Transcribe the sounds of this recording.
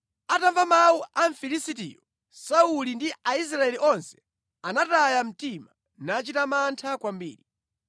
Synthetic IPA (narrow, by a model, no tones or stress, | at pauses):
ataɱvamawuaɱfilisitḭːjɔ | saulindiʔais̬ɾaɛliʔɔnsɛ̥ | anatajam̩tima | nat͡ʃitamantʰakwambḭːɾi